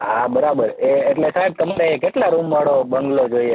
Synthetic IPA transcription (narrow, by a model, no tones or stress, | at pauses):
ɦabəɾabəɾeːʈlesaɖ̚t̪əmaɾekeʈlaɾumʋaɽobəŋɡlod͡ʒoie